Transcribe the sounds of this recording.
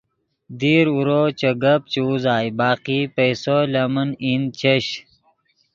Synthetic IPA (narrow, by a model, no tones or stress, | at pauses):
d̪iːɾuɾoːt͡ɕɐɡɐpt͡ɕuzaːjbaːqipejsolɐmɐnint͡ɕeɕ